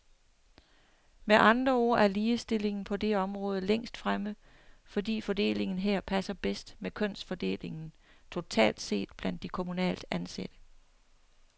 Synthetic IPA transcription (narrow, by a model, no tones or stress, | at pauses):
meʔɑ̈nd̥ʁɐo̝ɐ̰æɐliːsd̥e̝le̝ŋn̩pʰɒ̽d̥e̝ɒ̽mʁɔ̽ːð̞ˠəleŋ̰sd̥fʁamə | fɒ̽dḭːfɒ̽d̥e̝̰ːle̝ŋn̩ɦeɐ̰pʰæsɐb̥esd̥mekʰɔ̽n̰sfɒ̽d̥e̝̰ːle̝ŋn̩ | t͡sʰo̝t͡sʰɛ̰ːld̥se̝̰ːd̥b̥læn̰d̥ːikʰo̝munɛ̰ːld̥ænsed̥ə